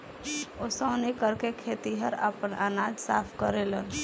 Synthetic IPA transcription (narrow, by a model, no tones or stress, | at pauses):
osəːnikəɾkekʰet̪iɦəɾə̰pənanad͡ʒsa̰ːpʰkəɾelən